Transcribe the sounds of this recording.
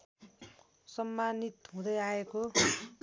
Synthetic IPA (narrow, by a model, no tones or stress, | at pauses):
sʌmːanit̪ɦũd̪ʌjaeko